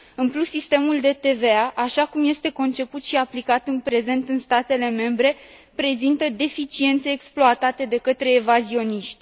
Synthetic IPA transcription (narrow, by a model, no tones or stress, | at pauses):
ɨnplusːist̪e̞muld̪e̞t̪e̞ve̞aʔaʃakumje̞st̪e̞ko̞nt͡ʃe̞put̪ʃiaplikat̪ɨnpɾe̞ze̞nt̪ɨnst̪at̪e̞le̞me̞mbɾe̞ | pɾe̞zint̪əd̪e̞fit͡ʃie̞nt̪se̞ːksploat̪at̪e̞d̪e̞kət̪ɾe̞ːvazio̞niʃt̪ʲ